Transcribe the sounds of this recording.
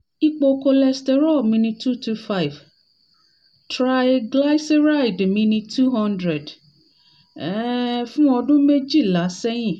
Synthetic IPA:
i˦k͡po˧ko˧lɛ˧stɛ˨ɾɔ˦˨lmĩ˧nĩ˧tʰu˦tu˦fa˦jv | tɾa˦jɡla˦jse˦ɾa˦jdmĩ˧nĩ˧tu˦ɦɔ̃˦ndɾɛ˨d | ɛ˦fũ˦ɔ˧dũ˦me˦d͡ʒi˦˨la˨˦sɛ˦jĩ˦˨

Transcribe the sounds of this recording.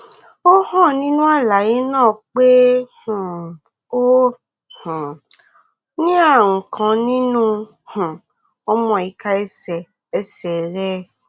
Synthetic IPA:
o˦hɔ̃˦˨nĩ˦nũ˦a˦˨la˨ji˨˦nãː˦˨k͡pe˦h̩˨ | o˦ | h̩˨ | nĩ˦a˦˨ŋ̩˨kʰã˨˧nĩ˦nũ˦ | h̩˨ | ɔ˦mɔ̃˧˨i˨ka˦ɛ˦sɛ˨ | ɛ˦sɛ˨ɾɛ˦

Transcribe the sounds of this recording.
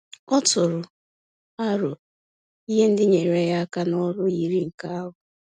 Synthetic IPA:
ɔ˦tʊ˨ɾʊ˨ | a˦ɾʊ˨ | i˦ɦe˦n̩˦dɪ˦ɲe˨ɾa˦ja˦a˦ka˦nɔ˦ɾʊ˦ji˨ɾi˦ŋ̩˨ka˦a˦ɦʊ˨

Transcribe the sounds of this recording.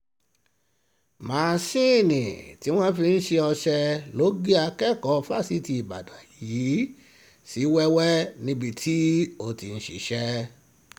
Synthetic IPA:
mãː˨˦˨sĩ˦˨nĩ˨ti˨˦w̃ɔ̃˦fi˧n̩˦ʃe˧ɔ˧ʃɛ˧lo˨˦ɡi˦a˧kɛ˦˨kɔ˧˦˧fa˦˨si˧˦ti˧i˨ba̰˨da˨ji˨˦ | si˨˦wɛ˦wɛ˦nĩ˧bi˧tʰi˦o˧˨ti˨n̩˨ʃḭ˨ʃɛ˧

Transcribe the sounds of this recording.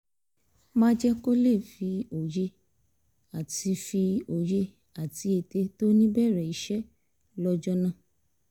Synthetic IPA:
mãː˦d͡ʒɛ˦ko˦le˦˨fi˧o˨je˧ | a˨ti˧fi˧o˨je˧ | a˨ti˧˦e˨te˧to˦nĩ˦bɛ˦˨ɾɛ˦˨i˨˦ʃɛ˦ | lɔ˧d͡ʒɔ˦nã˦˨

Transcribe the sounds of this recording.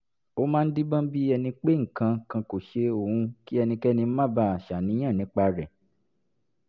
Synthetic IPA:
o˦mãː˦n̩˦di˦bã˦bi˦ɛ˧nĩ˧k͡pe˦ŋ̩˨kã˧˨kã˧ko˨ʃe˧o˨hũ˧ki˦ɛ˧nĩ˧kɛ˦nĩ˧˦mã˦˨ba˦˨a˨ʃa˨nĩ˨˦j̃ã˦˨nĩ˨˦k͡pa˧ɾɛ˨

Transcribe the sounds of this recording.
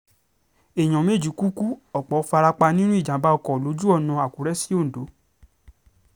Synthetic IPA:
e˨j̃ɔ̃˨me˦˨d͡ʒi˨˦ku˦ku˦ɔ˨k͡pɔ˨˦fa˧ɾa˧k͡pa˧nĩ˦nũ˦i˦˨d͡ʒã˨˦ba˧ɔ˧kɔ˨lo˨˦d͡ʒu˦ɔ˦˨nã˧a˨ku˨˦ɾɛ˦si˦o˦˨n̩˨do˨˦

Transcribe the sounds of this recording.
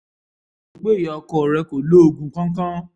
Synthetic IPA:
o˨ɡ͡be˦˨jɔ˨˧kɔ˦˨ɾɛ˧ko˨lo˦o˧ɡũ˧˦kã˦kã˦

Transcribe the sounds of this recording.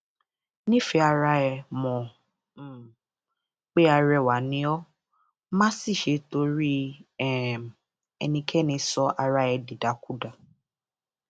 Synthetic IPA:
nĩ˦fɛ˧a˧ɾa˧ɛ˧mɔ̃˨˦˨ | k͡pe˦a˧ɾɛ˧˨wa˨˦nĩ˨˦ɔ˦ | mã˦si˦˨ʃe˧˦to˧ɾi˦ɛ˦˨ | ɛ̰˧nĩ˧kʰɛ˦nĩ˨˧sɔ˧˦ʔa˧ɾa˧ɛ˧di˨da˨˦ku˦da˧

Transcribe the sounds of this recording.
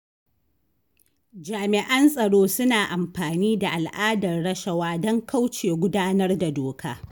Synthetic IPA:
d͡ʒaː˨mɪ˨ʔɐ˦nsʼɐ˨ɽoː˦sʊ˦naː˨ʔa˨mɸaː˨niː˦da˨ʔa˨lʔaː˦dɐ˨rɽɐ˦ʃɐ˨waː˦dɔ˦ŋka˦wt͡ʃeː˨ɡʷʊ˦daː˦nɐ˦rda˨doː˨kʰa̰ː˦

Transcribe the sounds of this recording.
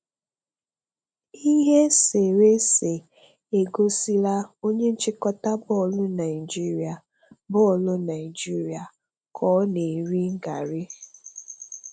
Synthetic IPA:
i˦ɦe˦se˨ɾe˦se˨ | e˨ɡo˦si˦la˦o˦ɲe˦n̩˦t͡ʃɪ˦kɔ˦ta˦bɔ˦ɔ˨lʊ˦na˨ɪ˨d͡ʒi˦ɾi˨a˨ | bʊ˦ɔ˨lʊ˦na˨ɪ˨d͡ʒi˦ɾi˨˦a˨ | kʰɔ˨˦ne˨ɾi˦ŋ̩˦ɡa˨ɾi˦

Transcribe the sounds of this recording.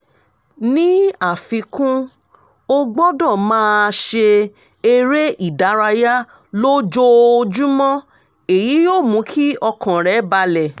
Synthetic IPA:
nĩ˦a˦˨fĩ˧kũ˦ | o˦ɡ͡bɔ˦dɔ̃˦˨mãː˦˧ʃe˧ | e˦˧ɾe˦ʔi˦˨da˨˦ɾa˧ja˦ | lo˦d͡ʒo˧o˧d͡ʒu˦mɔ̃˦ | e˨ji˨˦joː˦˨mũ˨˦kʰi˦ɔ˧kɔ̃˨ɾɛ˨˦ba˧lɛ˨

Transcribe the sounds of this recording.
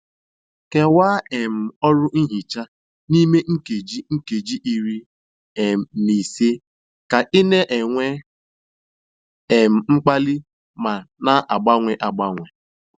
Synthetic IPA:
ke˨waː˦e˨m̩˨ɔ˦ɾʊ˦ʔi˦ɦi˨t͡ʃa˦ | ni˦me˦ŋ̩˦ke˨d͡ʒi˦ŋ̩˦ke˨d͡ʒi˦ʔi˨ɾi˦ | e˨ni˨se˦ | ka˨ʔɪ˦ne˦ʔe˨ŋʷe˦ | e˨m̩˨ŋ͡m̩˦k͡pa˦lɪ˦ | ma˨na˦ʔa˨ɡ͡ba˦ŋʷe˨ʔa˨ɡ͡ba˦ŋʷe˨

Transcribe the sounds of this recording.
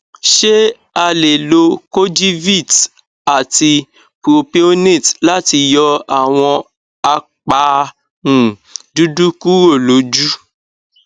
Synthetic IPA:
ʃe˦ | a˧le˨lo˧ko˦d͡ʒi˦vi˦˨t | a˨ti˧ | po˧pi˧o˦ne˦˨tla˦ti˧jɔ˧a˦˨w̃ɔ̃˧ | a˧k͡pa˨˦ | nũ˨du˦du˦ku˦ɾo˦˨lo˨˦d͡ʒu˦

